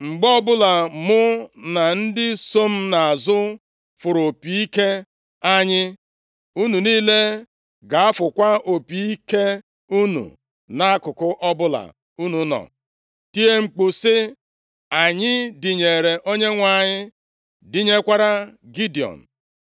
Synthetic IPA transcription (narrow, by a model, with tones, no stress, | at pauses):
ŋ͡m̩˨ɡ͡bɔ˦bʊ˦la˨mʊ˦na˨n̩˦dɪ˦so˦m̩˦na˨a˨zʊ˦ | fʊ˨ɾo˨pi˨i˦ke˦ | a˦ɲɪ˦ | u˦nu˨niː˦le˦ | ɡa˨a˦fʊ˨kʷa˦ʔo˨pi˨i˦ke˦ | u˦nṵ˨ | na˦a˦kʊ˨kʊ˦ʔɔ˦bʊ˦la̰˨ | u˦nu˨˦nɔ̰˨ | ti˦e˦ŋ͡m̩˨k͡pʊ˨sɪ˦ | a˨ɲɪ˦dɪ˨ɲe˨ɾe˨ʔo˦ɲe˦ŋʷa˨ɲɪ˦ | dɪ˦ɲe˦kʷa˦ɾa˦ɡi˦di˨ɔ̰˨n̩˨